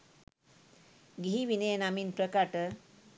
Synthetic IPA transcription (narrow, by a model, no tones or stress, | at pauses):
ɡiɦiʋinejnaminpɾəkaʈə